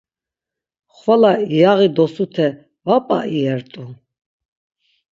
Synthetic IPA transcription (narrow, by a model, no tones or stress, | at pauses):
χwalaijaʁid̪ɔsut̪ʰɛ | vapʼa̰ʔiɛɾt̪ʼu